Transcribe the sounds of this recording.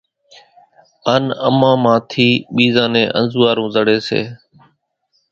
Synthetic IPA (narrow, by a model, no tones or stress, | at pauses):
ənəmãːmãːt̪ʰiːɓiːzãːnẽːʔə̰nzuːaːɾũːzəɽeːsḛː